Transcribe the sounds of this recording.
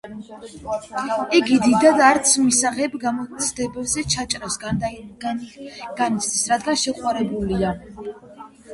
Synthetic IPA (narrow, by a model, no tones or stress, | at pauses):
iɡid̪id̪ad̪aɾt̪sʰmisaʁɛbamɔt̪sʰd̪ɛbɛbzɛt͡ʃʰat͡ʃʼɾafs | ɡ̥anit̪t͡ʃ̪ʰd̪isɾad̪ɡanʃɛqʼwaɾɛbulia